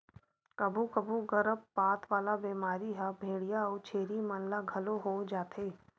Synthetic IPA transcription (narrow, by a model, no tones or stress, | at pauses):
kɐbʱukɐbʱuɡɐɾəbːaːt̪ʰʋaːlabeːmaːɾiɦɛbʱeːɽijaɔːt͡ʃʰeːɾimənlaɡʱɐloɦod͡ʒaːt̪ʰeː